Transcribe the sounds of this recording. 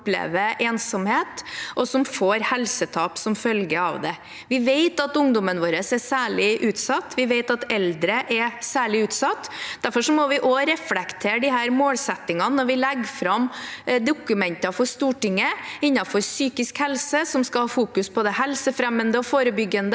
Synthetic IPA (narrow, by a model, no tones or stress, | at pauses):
plḛːʋəʔeːnsɔmheːt̪ʔɔsɔmfoːɾhɛlsət̪ʰɑːpsɔmfœlɡəɑ̰ʋd̪ɛ | ʋɪʋeɪt̪ɑt̪ʊŋd̪ɔmənʋoːɾəsɛsæːɭɪʔʉːt̪sɑt̪ːʋɪʋeɪt̪ɑt̪ɛld̪ɾəʔɛsæːɭɪʉːt̪sɑt̪ːd̪̥æɾfɔʂɔmɔʋɪʔɔɾɛflɛkt̪ʰeːɖɪɦæːɾmoːlsɛt̪ːɪŋɑnnɔɾʋɪlɛɡfɾɑmd̪ʊkʉmɛnt̪ɑfɔɾʂt̪uːʈɪŋːəɪnːɑfɔɾsyːkɪskhɛlsəsɔmskɑlhɑːfuːkʉspʰɔd̪ɛhɛlsəfɾɛmːənd̪əɔfoːɾəbʏɡːənd̪ə